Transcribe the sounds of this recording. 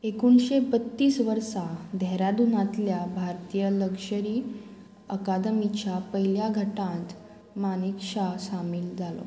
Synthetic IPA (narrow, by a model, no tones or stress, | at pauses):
ekuɳɕebət̪ːiːsʋəɾsad̪ʱɛɾad̪unãt̪ljabʱaɾt̪ijələkɕəɾiː | əkad̪əmit͡ɕapəjljaɡʱəʈãt̪ | manikɕaɕamiːld͡zalo̰